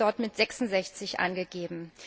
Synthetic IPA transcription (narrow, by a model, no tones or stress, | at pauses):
ɔɐtmɪtz̥ɛksʊn̩zɛçt͡sɪçʔa̰nɡəɡeːbm̩